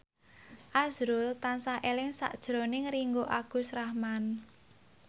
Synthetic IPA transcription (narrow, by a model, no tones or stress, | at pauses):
ʔazɾʊlt̪ansaʔelɪŋsa̰ʔd̥ʒ̥ɾonɪŋriŋɡoʔaɡ̥ṳsrahman